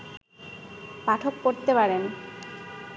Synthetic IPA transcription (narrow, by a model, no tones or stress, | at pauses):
paʈʰokkoɾt̪epaɾen